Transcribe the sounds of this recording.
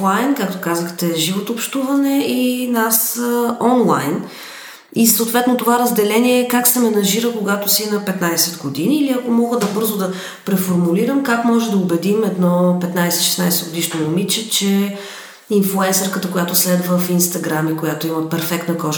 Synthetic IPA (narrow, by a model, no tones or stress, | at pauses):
lajnkak̚t̪okazəxt̪ɛʒivot̪oːpʃt̪uvɐnɛinasɔnlˠa̰jn | isoːt̪vɛt̪not̪ovaɾɐzd̪ɛlɛniɛːkaksɛmɛnɐʒiɾəkoɡat̪osinɐpɛt̪najsɛd̪ɡod̪iniːliɐkomɔɡəd̪ɐbɤɾzʊd̪ɐ | pɾɛfoɾmuliɾəmkakmɔʒɛd̪ɐobɛd̪imɛd̪nɔpɛt̪najsɛt̪iʃɛ̥snajsɛɡod̪iʃnonomit͡ʃɛt͡ʃɛ | inflˠuɛnsɛɾkət̪əkojat̪ʊslɛd̪vəfinst̪ɐɡɾamikoʊjat̪oiməpɛɾfɛkt̪nəkɔʒ